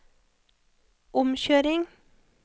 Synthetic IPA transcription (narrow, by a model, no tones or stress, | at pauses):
ʔʊmçøːɾɪŋ